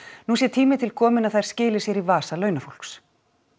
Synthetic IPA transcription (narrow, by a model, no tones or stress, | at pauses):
nusjɛt̪ʰiːmɪt̪ʰɪlkʰɔːmɪnaðθajɾ̥scɪːlɪsjɛɾivaːsalœːɥnafol̥ks